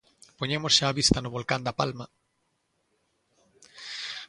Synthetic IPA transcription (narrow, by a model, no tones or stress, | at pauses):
poɲemosʃaːβist̪anoβ̞olkand̪apalma